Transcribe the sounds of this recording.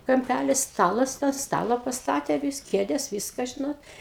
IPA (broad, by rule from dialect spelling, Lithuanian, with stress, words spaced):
kɐmʲˈpʲælʲɪs ˈstɑːlˠɐs tɑː ˈstɑːlˠɐ pɐsˈtɑːtʲeː ʋʲɪs ˈkʲeːdʲɛs ˈʋʲiːskɐ ˈʒʲɪnoːt